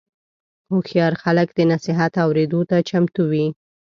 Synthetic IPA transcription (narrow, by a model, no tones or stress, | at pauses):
oxjɑɾxaləkd̪ənasɪɦat̪awɾed̪ot̪at͡ʃamt̪uwi